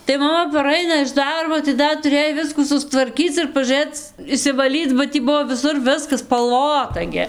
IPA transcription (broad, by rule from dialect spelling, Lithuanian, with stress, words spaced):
tɐɪ mɐˈmɐ pɐˈrɐɪnɐ ɪʃ ˈdɐrboː tɐɪ ˈdɐr tʊˈrʲeːj ˈʋʲɪskuː sʊstʋɐrʲˈkʲiːt͡s ɪr pɐʒuːˈrɘt͡s ɪʃʲsʲɪʋɐˈlʲiːt͡s bɐ ˈtʲiː ˈbʊʋoː ʋʲɪˈsʊr ˈʋʲɪskɐs spɐlˠˈʋoːtɐ ɡʲɪ